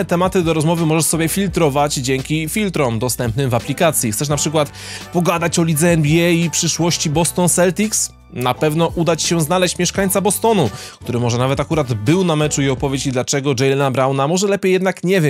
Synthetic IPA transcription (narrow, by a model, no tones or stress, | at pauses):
ɛt̪ɛmat̪ɘd̪ɔɾɔzmɔvɘmɔʐɛʂsɔbʲjɛfʲilt̪ɾɔvad͡ʑd͡ʑɛŋkʲifʲilt̪ɾɔmd̪ɔst̪ɛmpnɘmvaplʲikat̪sʲjit̪sɛʂ̬napʂɘkwat̪ | pɔɡad̪at͡ɕɔlʲid̪zɛɛnbʲiɛjipʂɘʂwɔɕt͡ɕibɔst̪ɔnsɛlt̪ʲiks | napɛvnɔʔud̪at͡ɕɕɛ̃znalɛɕt͡ɕmʲjɛʂkaɲ̃ʲt̪sabɔst̪ɔnuk̚t̪uɾɘmɔʐɛnavɛt̪akuɾad̪bɘwnamɛt͡ʂuiɔpɔvjet͡ɕid̪lat͡ʂɛɡɔd͡ʐɛjlɛnabɾawnamɔʐɛlɛpʲjejɛd̪nakɲɛvʲjɛ